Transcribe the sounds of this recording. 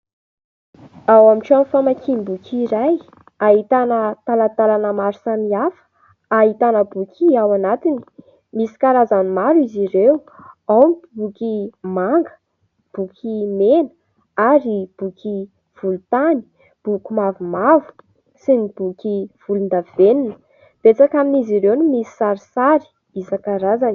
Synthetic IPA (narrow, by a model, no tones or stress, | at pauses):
awamiʈ͡ʂanfamakimbukʲʰiɾaj | aɦit̪anət̪alat̪alanəmaɾu̥samiafə̥ | aɦit̪anəbukʰiawanat̪ini̥ | misi̥kaɾazanimaɾiziɾeuawnibukʲimaŋɡə̥ | b̥ukʲʰimenə̥ | aɾib̥ukʰi | v̥ulut̪ani̥ | b̥ukʲimavumavu̥ | sinib̥ukʲiv̥ulund̪av̥eninə̥ | b̥et͡sakaminiziɾewnimisi̥saɾisaɾi̥ | isakaɾazan